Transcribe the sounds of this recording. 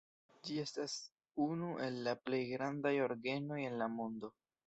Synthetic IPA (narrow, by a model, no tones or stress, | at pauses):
d͡ʒie̞stas | unuʔe̞lːaple̞jɡɾandajo̞ɾɡe̞no̞je̞nlamo̞ndo̞